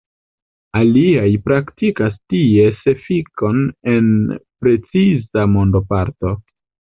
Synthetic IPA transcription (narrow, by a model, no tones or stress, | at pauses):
aliajpɾaktikastie̞se̞fiko̞ne̞npɾe̞t͡sizamo̞ndo̞paɾto̞